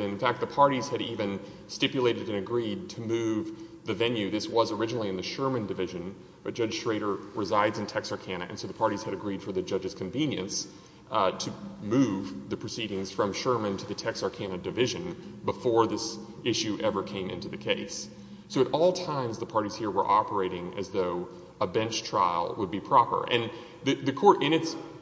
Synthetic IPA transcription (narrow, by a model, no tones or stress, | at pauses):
ɨ̃nfæk̚t̪̚ðəpʰɑɹɾiz̥ɨɾivɨ̃n | stɪpjɨleɪɾɨɾɨ̃nɨɡɹid̚tʰɨmʉv | ðɨvɛ̃njʉðɪswʌzə˞ɪd͡ʒɨnl̩ˠiɨ̃nðɨʃɜ˞mɨ̃ndɨvɪʒɨ̃n | ʌ̥ʒ̥ʌ̥d͡ʒʒ̥tɹ̥eɪɾə˞ɹɨzaɪdzɨ̃n̩tʰɛksɑɹkʰæ̃nɨ̰ʔɨ̰̃nsoʊðəpʰɑɹɾiz̥ɨɾɨɡɹid̥fə˞ðɨd͡ʒʌd͡ʒɨz̥kʰɨ̃ɱvĩnjɨ̰̃ns | tʰɨmʉvðɨpʰɹ̥ɨsiɾɪ̃ŋz̥fɹʌ̃mʃɜ˞mɨ̃ntʰɨðɨtʰɛksɑɹkʰænɨdɨvɪʒɨ̃nbəfɔɹðɪs | ɪʃʉʔɛvə˞kʰẽɪ̃mɪ̃ntʉðɨkʰeɪs | soʊɨɾʔɔlˠtʰãɪ̃mzðəpʰɑɹɾiz̥hiɹwə˞ʔɑpə˞eɪɾɪ̃ŋɨ̰zðoʊ | əbɛ̃nt͡ʃtʰɹ̥a̰ɪlˠwəd̚bipʰɹ̥ɑpə̰˞ʔɨ̃n | ðɨðɨkʰɔɹɾɪ̃ñɨts